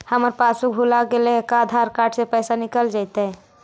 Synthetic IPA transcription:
həməɾpasubʱulaɡelekad̪ʱaɾkaʈʰsẽpəjsanikəld͡ʒajt̪ɛ

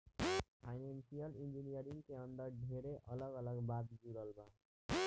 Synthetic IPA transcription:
pʰajnensijʌlind͡ʒinijəɾiŋkeʌnd̪ʌɾɖʱeɾeʔʌlʌɡʌlʌɡbat̪̚d͡ʒuɾəlba

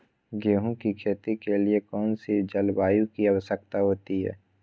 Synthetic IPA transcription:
ɡeːɦõkikʰeːt̪ikeliekɔːnsid͡ʒɐlbaːjũkiɐʋəʃək̚t̪aɦoːt̪iɦɛ̰ː

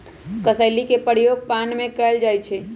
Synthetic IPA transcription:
kəsəɪlikepəɾjoːɡ̚panmẽkəld͡ʒaːjt͡ʃʰe

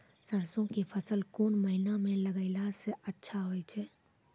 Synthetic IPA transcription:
səɾsõkepʰəsəlkoːnməɦinamẽləɡəɪlaseʔətːʃʰaɦoɛt͡ʃʰɛː

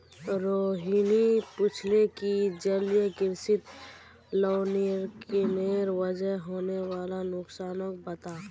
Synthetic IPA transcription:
ɾoːɦiːnipɪt͡ʃʰlekid͡ʒəljəkɪɾsɪt̪ | lɔːniɾkeneːɾʋəd͡ʒəɦɦoːnewaːlanʊksaːnək̚bət̪aː

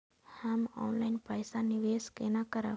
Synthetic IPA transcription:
həmɔ̰ːnlaɪnpəjsaniʋeskenakəɾa̰

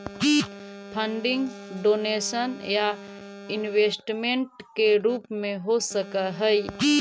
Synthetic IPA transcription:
kipʰəɳɖĩŋɡɖonesənjainwesʈmeɳʈkeɾupmẽɦosəkəɦəj

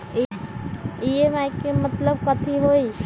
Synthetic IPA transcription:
iemajkemət̪ləbkət̪ʰiɦoi

